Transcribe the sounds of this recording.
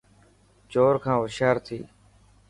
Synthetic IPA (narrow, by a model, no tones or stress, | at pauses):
t͡ʃoːɾkʰãːʋəʃaːɾt̪ʰiː